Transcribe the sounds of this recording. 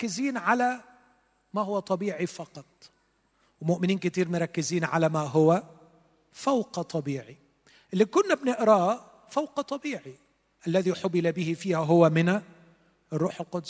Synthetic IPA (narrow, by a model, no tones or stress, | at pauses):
ɑkːɪziːnʕalæ | maɦʊwːæt̪ˤɑbiːʕifɑqɑt̪̚ˤ | wɪmʊʔmɪniːnkɪt̪iːɾmʊɾˤɑkːɪziːnʕalæmaɦʊwæ | fawqɑt̪ˤɑbiːʕi | ʔɪlːiːkʊnːabnɪʔɾɑː | fawqɑt̪ˤɑbiːʕi | ʔalːæðiħʊbɪlabɪhɪfiːhæɦʊwæmɪna | ʔɪrˤːuːħɪlqʊd̪s